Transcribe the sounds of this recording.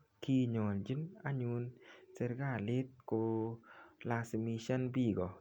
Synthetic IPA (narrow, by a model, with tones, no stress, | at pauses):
ki˦ɲɔ˨ld͡ʒi˦na˦ɲu˧nse˧ɾɡa˦˨lɪ˦t̪̚ko˧ | la˧smi˧ʃa˦nbi˦˨ɡɔ˨